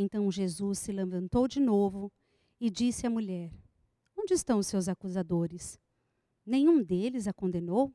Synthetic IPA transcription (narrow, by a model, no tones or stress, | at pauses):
ẽnt̪ɐ̃w̃ʒezusːɪlɐ̃vɐ̃nt̪owd͡ʒɪnovʊ | ɪd͡ʒisɪɐmuʎɛɾ | õnd͡ʒɪst̪ɐ̃w̃ʊsewzakuzad̪oɾɪs | nẽɲũd̪elɪzakõnd̪enow